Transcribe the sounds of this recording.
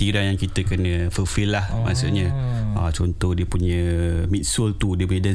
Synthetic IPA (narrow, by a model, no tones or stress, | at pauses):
iɾajaŋkit̪əkənə̃fəfilːahmasaɲəat͡ʃɔnt̪ɔhdiəpuɲə̃mit̪̚sʊlt̪udiəp̬uɲə̃dan